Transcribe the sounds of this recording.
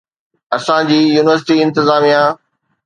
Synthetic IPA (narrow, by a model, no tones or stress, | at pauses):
ɐsãd͡ʑiːjuːnɪʋəɾs̬ɪʈiɪ̃nt̪ɪzaːmijã